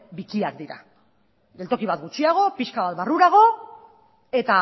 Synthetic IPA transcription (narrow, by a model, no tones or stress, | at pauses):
bikiak̚d̪iɾa̰ | d̪e̞lt̪o̞kiβ̞at̪ɡut͡ʃiaɣ̞o̞piʃkaβat̪βaruɾaɣ̞o̞ | e̞t̪a